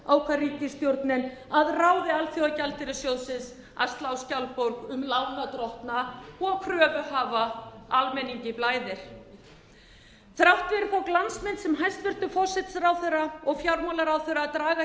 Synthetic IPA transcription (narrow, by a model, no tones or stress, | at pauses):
aːwkʰaɾiːcɪst̪jowɾt̪nɪn | aðraːwðɪalθjowacalt̪ɪɾɪsjoːwsɪs | a̰st̪lawscawlpowɾkʏmlawnat̪ɾɔht̪naɔɣkʰɾœːvʏhaːvaalmɛnːiɲcɪplaːjðɪɾ̥ | θɾawht̪vɛɾɪfawklansmɛnːsɛmɦajst̪vɪr̥t̪ʏfɔr̥sɛt̪saɾawθɛrːaɔɣfjaɾmalaɾawθœɾat̪ɾaːɣa